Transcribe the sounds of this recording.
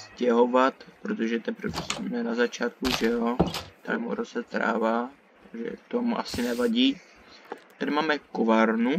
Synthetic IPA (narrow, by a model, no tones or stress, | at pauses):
scɛɦo̞vat̪pɾot̪o̞ʒɛt̪ɛpɾvɛsmɛnazat͡ʃaːt̪kuʒɛot̪a̰lɛmṵɾozɛt̪ɾa̰ːvaː | ʒɛ̰t̪omuʔasɪnɛvaɟiː | t̪adɪmaːmɛkovaɾnu